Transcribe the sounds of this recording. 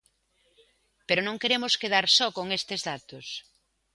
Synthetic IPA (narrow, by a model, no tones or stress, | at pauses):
peɾʊonõŋkeɾemʊskeð̞aɾsɔkoŋest̪ezðat̪os